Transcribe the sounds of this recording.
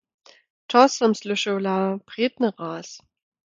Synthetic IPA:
tʰɔstɐmslʏʃolaːb̥ʁ̥eːtnəʁaːs

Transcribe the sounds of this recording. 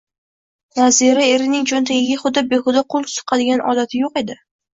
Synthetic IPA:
vaziɾae̞ɾɪnɪŋd͡ʒont̪ʰaɡʲɪɡʲaχʊd̪ːabexʊd̪ɒqʰʊlˠkʲsʊ̥qʰɑd̪ɪɡʲanʔɒd̪at̪ʰɪjoqe̞d̪ɪ

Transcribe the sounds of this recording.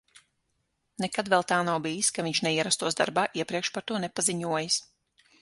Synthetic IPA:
nɛkad̪vɛlˠt̪aːnawbijiskaviɲʃnɛiɛɾast̪uɔsd̪a̰ɾbaːʔiɛpɾiɛkʃpaɾt̪uɔnɛpaziɲuɔjas

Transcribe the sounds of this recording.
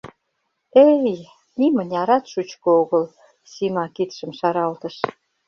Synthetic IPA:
ej | nimə̆nʲɑɾɑt̪ʃut͡ɕkooɣə̆l | simɑkit̪ʃə̆mʃɑɾɑlt̪ə̆ʃ

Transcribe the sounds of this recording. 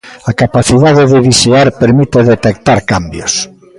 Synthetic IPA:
akapaθiðaðeðeβiseaɾpeɾmit̪eðet̪ek̚t̪aɾkambjos

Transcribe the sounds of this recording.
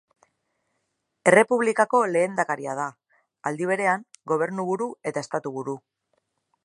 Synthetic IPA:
e̞re̞puβ̞likako̞le̞ːnd̪akaɾiað̞a | ald̪iβ̞e̞ɾe̞aŋɡo̞β̞e̞ɾnuβ̞uɾue̞t̪ae̞st̪at̪uβuɾu

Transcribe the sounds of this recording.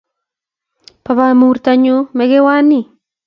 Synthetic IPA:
paβamurt̪aɲumɛkewani

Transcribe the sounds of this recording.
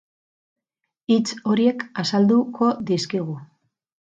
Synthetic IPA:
it͡so̞ɾie̞kasald̪uko̞ðiskiɣ̞u

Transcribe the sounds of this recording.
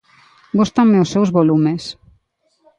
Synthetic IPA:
ɡost̪aŋmeʊsːewzβolumes

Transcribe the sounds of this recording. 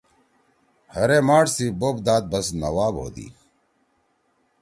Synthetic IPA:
həɾeːmaːʈsiːboːbd̪aːt̪̚bəsnə̰ʋaːbɦo̰ːd̪ḭː

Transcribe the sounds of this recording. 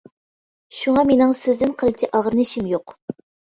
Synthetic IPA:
ʃuŋɑmenɪŋsɪzd̪ɪnqʰəlˠt͡ʃʰiʔɑʁəɾɨnɨʃimjoq

